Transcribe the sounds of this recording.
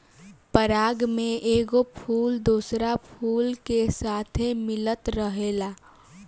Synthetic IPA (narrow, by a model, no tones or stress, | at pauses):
pəɾaːɡmẽʔeːɡopʰuːld̪uːsɾapʰuːlkesaːt̪ʰemɪlət̪ɾəɦeːlaː